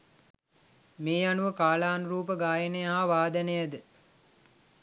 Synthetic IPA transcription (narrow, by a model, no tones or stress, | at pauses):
meːanuʋəkaːlaːnuɾuːpəɡaːjənejɐɦaʋaːd̪ənejəd̪ə